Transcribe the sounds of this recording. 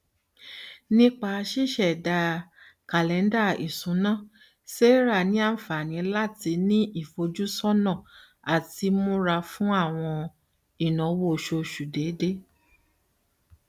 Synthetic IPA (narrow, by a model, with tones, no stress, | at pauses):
nĩ˦k͡pa˧ʃi˦˨ʃɛ˨da˧ | ka˨lɛ˨˦n˦da˦˨i˨sũ˨˦nã˦˨ | se˦ɾa˦˨nĩ˨˦a˦˨fa˨nĩ˨˧˦la˦˨ti˧˦nĩ˦ʔi˦˨fo˧d͡ʒu˦sɔ˦nã˦˨ | a˨ti˧mõ˦ɾa˧fũ˦a˦˨w̃ɔ̃˧ | i˨nɔ̃˨˦wo˦˨ʃo˧ʃu˨de˨˦de˦